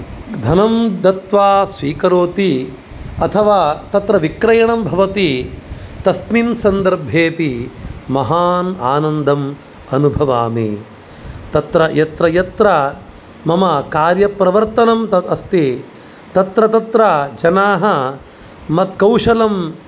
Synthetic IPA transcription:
d̪ʱɐnɐmd̪ɐt̪ʋaːsʋiːkɐɾoːt̪i | ɐt̪ʰɐʋaːt̪ɐt̪ɾɐʋikɾɐjɐɳɐmbʱɐʋɐt̪i | t̪ɐsminsɐnd̪ɐɾbʱeːpimɐɦaːnaːnɐnd̪ʱɐm | ɐnubʱɐʋaːmḭ | t̪ɐt̪ɾɐjɐt̪ɾɐjɐt̪ɾɐ | mɐmɐkaːɾjɐpɾɐʋɐɾt̪ɐnɐmɐɐst̪i | t̪ɐt̪ɾɐt̪ɐt̪ɾɐd͡ʒɐnaːɦɐ | mɐt̪̚kɐwʂɐlɐm

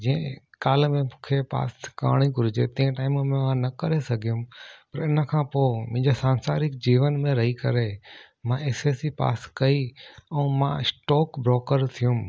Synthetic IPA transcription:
d͡ʑiːə̃kaːlmẽmũkʰepa̰ːska̰ːɽ̃ikʊɾɪd͡ʑet̪ɐ̃ẽʈaːɪmmẽʋãnɐkɐɾesɐɡʱijũmpɐɾɪnə̆kʰãːpoːmʊ̃ɦɪ̃ɲd͡ʑosãːnsaːɾɪkd͡ʑiːʋənmẽɾɐɦikɐɾe | mãʔeːseːsipa̰ːskɐiɛ̃ũmã̰ɪsʈɔːkbɾɔːkəɾt̪ʰijũm

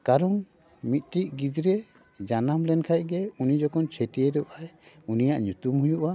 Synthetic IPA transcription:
kaɾɔŋ | mit̪̚ˀʈiʔ̚ɡid͡ʒ̪ɾɛ | d͡ʒanamlɛnkʰajɡɛunid͡ʒɔkɔnt͡ʃʰetijeɾuʔaj | unijaʔɲut̪umhujuʔa

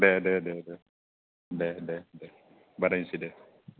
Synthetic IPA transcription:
dɛdɛdɛdɛ | dɛdɛdɛ | baɾansidɛ

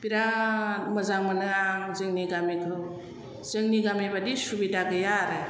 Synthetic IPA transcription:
piɾaməzaŋmanɯaŋzɯŋniɡamikʰɾɯ | zɯŋniɡamebadisubidaɡɯjaɾɯ

